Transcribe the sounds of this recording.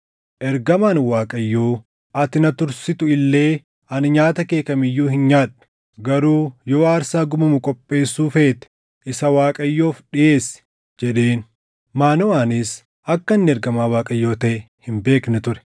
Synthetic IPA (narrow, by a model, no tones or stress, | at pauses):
ʔɛɾɡɐmaːnwaːkʼɐjːo̞ː | ɐt̪ɪnɐt̪ʊɾsɪt̪ʊɪlːe̞ː | ɐnɲaːt̪ɐke̞ːkɐmɪjːuːhɪnɲaːᶑʊ̥ | ɡɐɾuːjoːaːɾsaːɡʊmɐmʊkʼɔpʼːe̞ːsːuːfe̞ːt̪ɛ̥ | ʔɪsɐwaːkʼɐjːo̞ːfɗɪje̞ːs | d͡ʒɛᶑe̞ːn | maːnɔaːnɪs | ʔɐkːɐnːɪɛɾɡɐmaːwaːkʼɐjːo̞ːt̪ɐʔɛ | hɪmbe̞ːknɛt̪ʊɾɛ̥